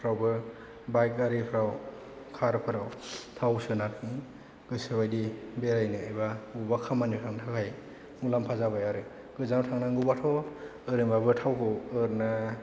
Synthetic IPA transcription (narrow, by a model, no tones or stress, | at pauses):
pʰɾawbɯ | bajk̚aɾɯpʰɯɾaw | kʰaɾpʰɯɾawtʰawsɯnat̚i | ɡ̥ɯsɯbajdibeɾajnɯɯjβaɡubakʰamanitʰaŋnatʰakʰaj | mulampʰazabajaɾɯ | ɡ̥ɯzanɔtʰaŋnaŋɡubatʰɔ | ɯɾɯmbabɯtʰawkʰɯwɯɾna